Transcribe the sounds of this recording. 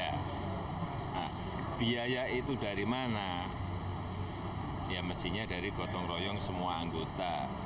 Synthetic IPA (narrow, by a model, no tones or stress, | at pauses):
a | nah | b̥iajait̪udaɾimana | jaməst̪iɲadaɾiɡ̥ɔt̪ɔŋrɔjɔŋsəmuaaŋɡot̪a